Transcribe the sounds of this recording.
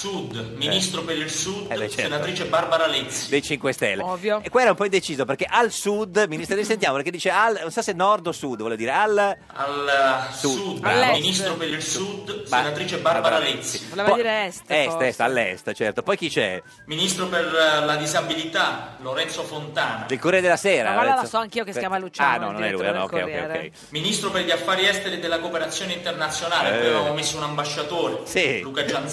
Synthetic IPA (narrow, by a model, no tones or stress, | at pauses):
sud̪minist̪ɾopeɾilsud̪ɛɛt͡ʃːsɛenat̪ɾiːt͡ʃebarbaɾalɛt̪sːi̥d̪ejt͡ʃiŋkwest̪ɛ̰lːevjokːweɾaumpɔid̪et͡ʃiːzoperkeʔalsud̪minist̪nojsent̪jamoperkːed̪iːt͡ʃealnonsasenːɔrd̪osud̪vɔleod̪iːɾeal | a̰lsuud̪alːminist̪ɾopeɾilsud̪senat̪ɾiːt͡ʃebaɾbaɾalɛt̪siolevdɔiɾeɛst̪ɛsɛst̪alːɛ̰st̪t͡ʃɛrt̪opɔjk̟it͡ʃɛ̰ | minist̪ɾoperlad̪izabilit̪aloɾɛnsofont̪aːna̰delkorɛed̪elːasɛːɾalɛaasɔaŋkiːokeskjaːmalut͡ʃanɔnonɛlujanɔokkɛ̰joːɛ̰j̰kːɛ̰j | minist̪ɾoperʎiafːaːɾiɛst̪eɾid̪elːakopeɾat̪sːjoːneint̪ernat̪sːjonaːleaeamvomesːounambaʃːat̪oːɾesiluːkad͡ʒan